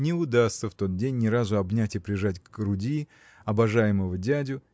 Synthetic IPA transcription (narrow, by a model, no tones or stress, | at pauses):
nʲɪʊd̪ast̪səft̪o̞t̪̚dʲenʲːɪɾazʊɐbnʲætʲɪpɾʲɪʐatʲɡɡɾʊdʲi | ɐbɐʐajɪməvədʲædʲʊ